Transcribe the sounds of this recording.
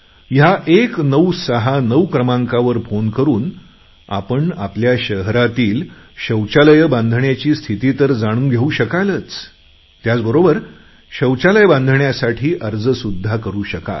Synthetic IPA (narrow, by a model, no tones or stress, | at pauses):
jaʔeknəwsəɦanəwkɾəmãŋkaʋəɾfonkəɾuːn | a̰pəɳa̰pljaɕəɦɾat̪iːl | ɕəwt͡ɕaləjəbãnd̪ʱɳjat͡ɕiːst̪ʰit̪it̪əɾd͡zaɽ̃uːɡʱeuːɕəkalət͡s | t̪jat͡sbəɾobəɾ | ɕəwt͡ɕaləjəbãnd̪ʱɳjasaʈʰiːʔəɾd͡zsud̪ʱːakəɾuːɕəka̰